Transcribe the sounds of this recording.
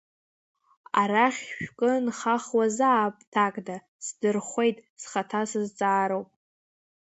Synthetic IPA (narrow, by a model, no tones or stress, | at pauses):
aɾaχʲʃᶣkʼɨnχaχwazaːpʼtʰakʼda | sdɨrχʷe̞jtʼsχatʰasɨzt͡sʼaːɾowpʼ